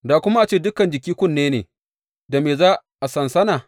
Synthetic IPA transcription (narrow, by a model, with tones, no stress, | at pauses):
daː˨kʷʊ˦ma˦ʔa˨t͡ʃeː˦˨dʊ˦kɐ˨nd͡ʒɪ˨kʲiː˦kʷʊ˦˨nːeː˦neː˨ | da˨meː˨zaː˦ʔa˨sɐ˨nsɐ˦naː˨